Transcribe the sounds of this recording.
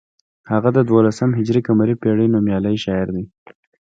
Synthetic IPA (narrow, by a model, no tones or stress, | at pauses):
haɣad̪əd̪wolasəmɦɪd͡ʒɾikamaɾipeɽenomjɑləjʃɑɪɾd̪i